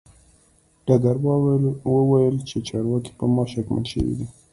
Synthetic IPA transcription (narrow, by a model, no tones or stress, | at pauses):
ɖ̥ɑɡaɾwəwajəlt͡ʃet͡ʃɑɾwɑki̥pəmɑʃakmə̰lʃə̰wḭd̪i